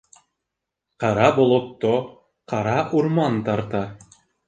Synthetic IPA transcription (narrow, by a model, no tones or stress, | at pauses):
qɑɾɑbolˠot̪ːo | qɑɾɑʔurmɑnt̪ɑrt̪ɑ